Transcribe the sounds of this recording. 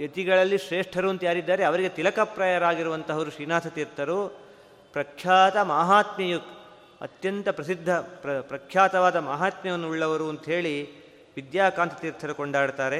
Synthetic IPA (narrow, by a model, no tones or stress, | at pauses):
et̪iɡɐɭɐlːiʃɾeːʂʈʰɐɾuɐnt̪ɐjaːɾid̪ːaːɾe̞ɐʋɐɾiɡe̞t̪ilɐkɐpɾɐjɐɾaːɡiɾuʋɐnt̪ɐʋɐɾuʃɾiːnaːsɐt̪iːɾt̪ʰːɐɾu | pɾɐkʰjaːt̪ɐmaːɦaːt̪mijuk̪ | ɐ̰t̪jɐnt̪ɐpɾɐsid̪ʱːɐpɾɐpɾɐkʰjaːt̪ɐʋaːd̪ɐmaːɦaːt̪mɛʋɐnːuuɭːɐʋɐɾuɐnt̪ɐɦe̞ːɭi | ʋid̪jaːkaːnt̪ʰɐt̪iːɾt̪ʰːɐɾukɔɳɖaːɽt̪aːɾe̞